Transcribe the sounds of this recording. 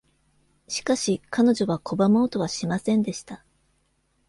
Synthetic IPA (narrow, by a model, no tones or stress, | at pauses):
ɕi̥kaɕikʰano̞ʑo̞βakʰo̞bamo̞ːt̪o̞β̞aɕimasẽ̞nd̪e̞ɕi̥t̪a